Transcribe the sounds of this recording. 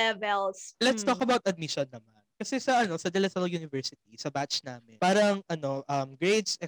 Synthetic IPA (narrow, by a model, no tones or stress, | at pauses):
ɛvɛlslɛt̪st̪okɐbawt̪ɐd̪̚mɪʃɔnːɐmankɐsɛsɐʔɐno̞sɐd̪ɛlɛsɐlɐjuːnɪvɛɹsɪt̪isɐbat͡ʃnaːmɪnpaːɾɐŋʔɐno̞ʔɐmɡɹed̪sɛ